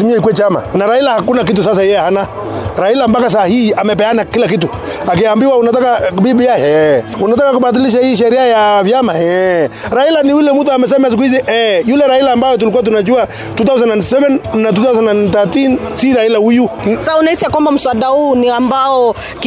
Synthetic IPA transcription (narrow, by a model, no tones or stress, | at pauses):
simiɔikwɛt͡ʃama̰naɾailahakunak̬it̬usas̬ajɛahana | ɾahilambakas̬ahiamɛpɛanakilakitu | ak̬iambiwaunat̬akabibijahɛ | unat̬akakubad̬iliʃ̬ahiʃ̬ɛɾiajavjamahɛ | ɾahilaniwilɛmut̬amɛs̬ɛmaas̬ik̬uiziʔɛjulɛɾahilaːmbajɔt̬ulikuat̬unat͡ʃua | tuθaws̬ɛnandsɛvɛnːat̬uθawsɛnanθatinsiɾahilaujusaunaisijakwambam̩swadauniambaɔ | k